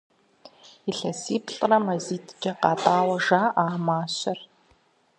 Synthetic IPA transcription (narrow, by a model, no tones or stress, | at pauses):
iɬɐsiːpʰɬʼrɐmɐziːtʰd͡ʒɐqɑːtʼaːwɐʒaːʔaːmaːɕɐr